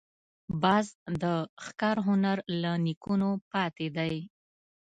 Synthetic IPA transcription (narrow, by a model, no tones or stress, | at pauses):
bɑzd̪əxkɑɾɦʊnaɾlanikunopɑt̪ed̪aj